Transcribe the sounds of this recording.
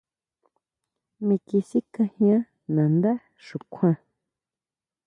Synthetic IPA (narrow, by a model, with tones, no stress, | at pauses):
mĩ˧ki˧si˦kã˧hj̃ã˦ | nã˨nd̪a˦ | ʃũ˨kʷʰã˧